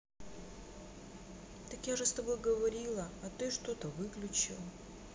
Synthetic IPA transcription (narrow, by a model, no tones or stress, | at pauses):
t̪ɐkjaʐɨst̪ɐbo̞jɡəvɐɾʲilˠəɐt̪ɨʂt̪o̞t̪əvɨklʲʉt͡ɕɪ̰lˠ